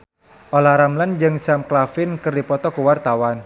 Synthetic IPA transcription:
ʔolahɾamland͡ʒɨŋsamklafɪnkɨrdipɔt̪ɔkuwart̪awan

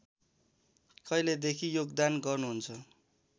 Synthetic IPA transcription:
kʌiled̪ekʰijoɡd̪anɡʌrnuɦunt͡sʰʌ

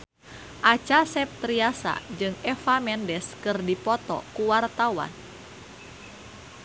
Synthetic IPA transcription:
ʔat͡ʃasɛp̚t̪ɾiasa̰d͡ʒɨŋɛfamɛndɛskɨrdipɔt̪ɔ̰kuwart̪awa̰n

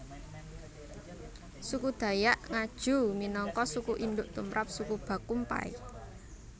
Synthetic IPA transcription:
sukud̪̥ä̤jaʔŋad̥ʒ̥ṳminɔŋkɔsukuʔind̪ʊʔt̪umɾʔap̚sukub̥ä̤kumpa̰ḭ

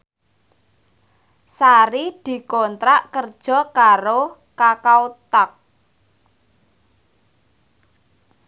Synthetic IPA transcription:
saɾid̪̥i̤kɔnt̪ɾaʔkərd̥ʒ̥ɔ̤kaɾo | kakaut̪ak̚

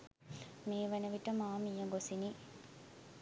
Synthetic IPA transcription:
meːʋenəʋiʈəmaːmijəɡosini

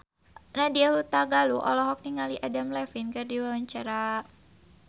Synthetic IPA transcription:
nahdiahut̪aɡaluʔɔ̰lɔɦɔk̚niŋaliʔadamlɛfinkɨrdiwawaɲt͡ʃaɾa

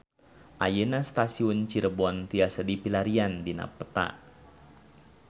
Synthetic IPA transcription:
ʔajenast̪asiunt͡ʃiɾəbuant̪iasadipilaɾiandina̰pːət̪a̰

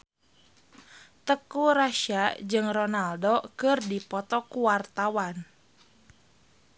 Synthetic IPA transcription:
t̪əkuɾaʃad͡ʒɨŋrɔnaldɔkɨrdipɔt̪ɔkuwart̪awan

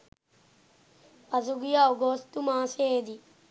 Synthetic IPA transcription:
pazuɡijaːoɡoːst̪umãːsed̪i

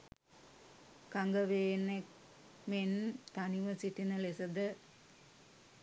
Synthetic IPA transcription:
kaŋɡəʋeːnek | ment̪aniʋəsiʈinəlesɐd̪ə

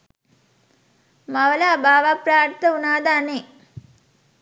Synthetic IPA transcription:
maʋəlaːbaːʋapɾaːɾt̪əunaːd̪aːne

